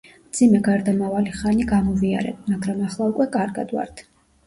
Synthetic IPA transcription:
md̪zimɛɡaɾd̪amavaliχaniɡamɔvia̰ɾɛ̰maɡɾamaχlˠaukʼwɛkʼaɾɡa̰d̪vwa̰ɾt̪ʰ

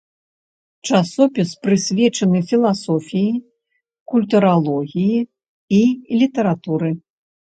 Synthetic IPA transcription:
t͡ʂasɔpʲispɾɨsʲvʲɛt͡ʂɐnɨfʲilˠasɔfʲiji | kulʲt̪uɾalˠɔɣʲiji | ilʲit̪ɐɾat̪uɾɨ

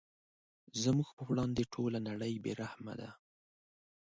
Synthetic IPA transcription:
zəmuɡpəwɽɑnd̪eʈʰolanaɽəjbḛɾahma̰d̪a̰

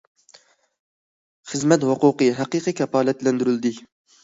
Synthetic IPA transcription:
χəzmɛt̪hʊquqɨɦæqɨqʰɨkʲʰɛpɑːlɛt̪lɛnd̪yɾyld̪ɪ

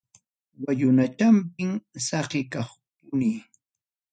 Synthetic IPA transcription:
wajʊnat͡ʃampɪŋsɑqɪkɑχ | pʊniː

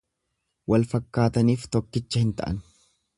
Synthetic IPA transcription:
wɐlfɐkːaːt̪ɐniːft̪ɔkːɪt͡ʃːɐhɪnt̪ɐ̰ʔɐ̰n

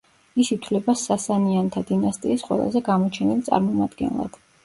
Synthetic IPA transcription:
isit̪ʰwlɛbasasaniant̪ʰad̪inast̪ʼiːsqʼwɛ̰lˠa̰zɛɡamɔt͡ʃʰɛnilt̪sʼa̰ɾmɔmad̪ɡɛ̰nlˠa̰d̪̥

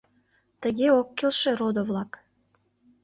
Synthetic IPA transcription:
t̪əɣeokːelʃĕɾod̪oβlɑk

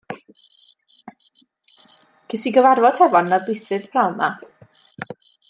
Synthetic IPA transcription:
kʰɪsiɡəvarvɔdʰɛvɔnːaðbɪθrɨð̥pʰrawma

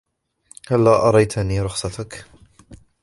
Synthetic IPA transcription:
halːaːʔɑɾˤɑjt̪ʰaniːɾˤʊxsˤɑt̪ak

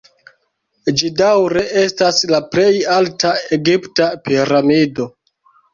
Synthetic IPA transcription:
d͡ʒidawɾe̞ʔe̞staslaple̞jaltae̞ɡiptapiɾamido̞

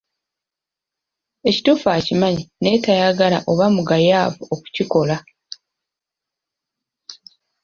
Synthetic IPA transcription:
e̞ci̥tuːfaːcimaɲine̞ːtajaɡala̰ʔo̞βamuɡajaːvuoku̥ciko̞la

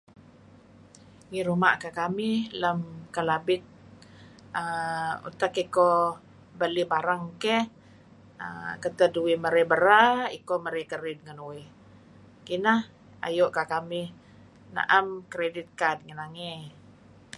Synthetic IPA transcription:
ŋiɾuma̰ʔkakamɪhləmkəlabɪt̪̚ | əṵt̪akiko | bəlibaɾaŋkɛh | ə̰kət̪əduwiməɾɛbəɾaḭkoməɾekəɾɪd̪̚ŋənuwɪ | kinah | a̰joʔkakamɪh | na̰ʔamkɾedɪt̪̚kadŋənaŋɛ

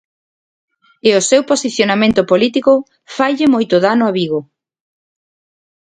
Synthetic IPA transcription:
ɪʊsewposiθjonamẽnt̪ʊpolit̪ikʊ | fajʎɪmojt̪ʊðanʊaβiɣʊ

